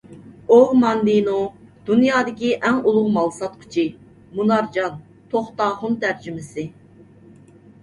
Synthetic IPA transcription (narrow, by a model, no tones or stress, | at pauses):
oʁmɑnd̪inod̪̥unjɑːd̪ɪkʲiʔɛŋulˠʊʁmɑlˠsɑt̪kʲʰʊ̥t͡ʃʰi | munɑɾd͡ʒɑn | t̪ʰoχt̪ɑːχʊnt̪ʰæɾd͡ʒymɪsɪ